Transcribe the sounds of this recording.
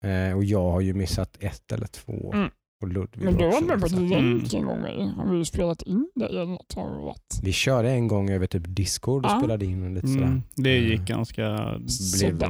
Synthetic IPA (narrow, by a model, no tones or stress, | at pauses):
ɔjɑːɡhaɾjɵmɪsːat̪ʰɛt̪ʰːɛ̰lʔə̰ʈʰv̥o̰ː | ɔlɵd̪ːvmɛnd̪ɵvaamɛpɔd̪ɾɛŋkɛ̰nɡɔ̰ŋmɛ̰jha̰nvɪlːəspeːlat̪ɪnd̪æ̰ɾɛlnɔt̪ʰːɑ̰n̰va̰t̪ːvɪɕœːɖəɛnɡɔŋːøːvəʈʰyːpd̪ɪskʰʊɖɔsppeːlad̪əɪnːɔliːt̪əsɔd̪æːɾd̪ɛjɪk̚ːɡa̰nska̰blev